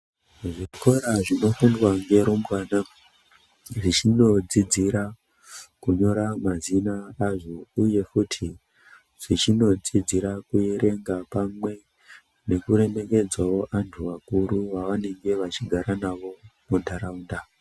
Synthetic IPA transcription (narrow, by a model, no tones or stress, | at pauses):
ʐikʰo̞ɾaʐino̞fundwaŋɡe̞ɾombwana | ʐit͡ʃino̞d͡zid͡ziɾa | kuɲo̞ɾamazinaːʐouje̞kutʰi | ʐ̥it͡ʃino̞d͡zid͡ziɾakujeɾe̞ŋɡapamwe̞ | ne̞kuɾe̞me̞ke̞d͡zwao̞ʔantʰuʋakuɾuʋaʋane̞ŋɡe̞ʋat͡ʃiɡʱaɾanaʋo̞mundʰʱaɾaunda